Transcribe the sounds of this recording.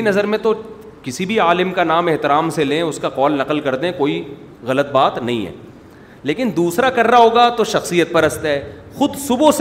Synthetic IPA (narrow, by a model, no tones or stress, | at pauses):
inɐzəɾmẽt̪o | kɪsibʱiaːlɪmkanaːmeɦt̪ɪɾaːmselẽʊskaqɔːlnɐqəlkɐɾt̪ẽɦɛ̃koːi | ɣɐlət̪̚baːt̪nɐ̰ɦḭ̃ɦɛ̰ː | leːkɪnd̪uːsɾakɐɾːaɦoːɡat̪oʃɐxsijət̪̚pɐɾɐst̪aɦɛː | xʊd̪sʊbos